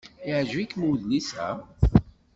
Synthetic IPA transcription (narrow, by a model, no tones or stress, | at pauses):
ɪʕʒvikːmuwðnisæ̰